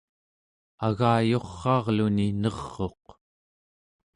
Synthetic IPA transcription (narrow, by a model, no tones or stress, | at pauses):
aɣaːjo̞χːɑːʁluninʌʁːo̞q